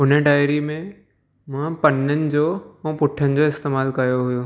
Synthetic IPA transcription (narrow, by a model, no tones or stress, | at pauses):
ɦʊnəɖaːɪɾimẽ | mãpɐnənɪ̆d͡ʑoːũːpʊʈʰənɪ̆d͡ʑoɪst̪eːmaːlkɐjoɦʊjoː